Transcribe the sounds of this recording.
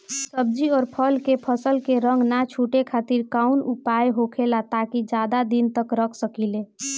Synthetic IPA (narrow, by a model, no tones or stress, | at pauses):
səb̚d͡ʒiɔːɾpʰəlkepʰəsəlkeɾəŋɡnat͡ʃʰuʈekʰat̪iɾkaunupaeɦokʰelat̪akid͡ʒad̪ad̪int̪əkɾəkʰsəkile